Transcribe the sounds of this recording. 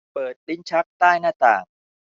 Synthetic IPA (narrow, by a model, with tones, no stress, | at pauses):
pɤː˨˩t̪̚li˦˥˩nt͡ɕʰa˦˥k̚t̪aː˥˩jnaː˥˩t̪a̰ː˨˩ŋ